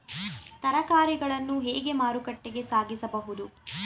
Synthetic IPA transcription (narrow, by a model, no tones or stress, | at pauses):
t̪ɐɾɐkaːɾiɡɐɭɐnːuɦeːɡe̞maːɾukɐʈːeɡe̞saːɡisɐbɐɦud̪u